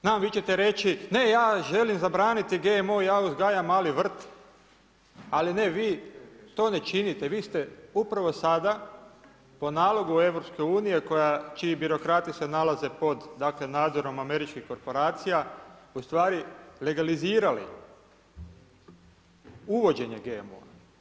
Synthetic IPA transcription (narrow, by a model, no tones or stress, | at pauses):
znaːmʋit͡ʃe̞t̪e̞ɾe̞t͡ʃine̞jaːʒe̞limzabɾaːnit̪iɡemojaːuzɡaːjamaliʋr̩t̪ | aline̞ʋiːt̪o̞ːne̞t͡ʃinit̪eʋiːst̪e̞upɾaʋo̞sad̪a | po̞naːlˠo̞ɡue̞ʋɾo̞pske̞uːnije̞ko̞jat͡ʃiibiɾo̞kɾaːt̪isenalaze̞po̞d̪d̪akle̞naːd̪zo̞ɾo̞mame̞ɾit͡ʃkixko̞ɾpo̞ɾaːt̪sijaust̪ʋaːɾile̞ɡaliziːɾalḭ | uʋo̞d͡ʑe̞ɲe̞ɡeemo̰a̰